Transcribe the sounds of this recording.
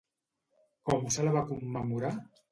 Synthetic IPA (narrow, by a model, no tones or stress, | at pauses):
kɔmusalaβakumːəmuɾa